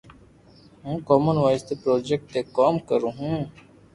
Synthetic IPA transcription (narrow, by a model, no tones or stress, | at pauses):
ɦũːkɔːmənʋaːɪst̪epɾoːd͡ʒek̚ʈ̪ːekaːmkəɾũːɦũː